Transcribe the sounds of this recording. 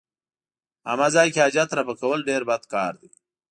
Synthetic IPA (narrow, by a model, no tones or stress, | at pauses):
a̰mazɑːjkead͡ʒat̪ɾapəkawəlɖeɾbad̪kɑːɾd̪i